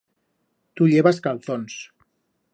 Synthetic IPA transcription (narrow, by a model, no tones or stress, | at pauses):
t̪uʎeβaskalˠθons